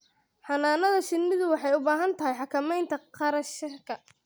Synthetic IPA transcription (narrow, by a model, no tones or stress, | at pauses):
ħɑnaːnɐðɐʃɪnːɪðʊwɑħɑjʊbaːɦɐnt̪ʰɐɦɛjħɑkʰɐmɛjnt̪ʰɐqʰɑɾɐʃɪrkʰɐ